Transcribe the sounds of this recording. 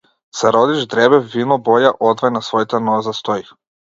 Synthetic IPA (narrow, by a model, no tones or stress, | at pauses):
saɾod̪iʒd̪ɾɛbɛvinɔbɔjaʔɔd̪vajnasvɔjt̪anɔzast̪ɔi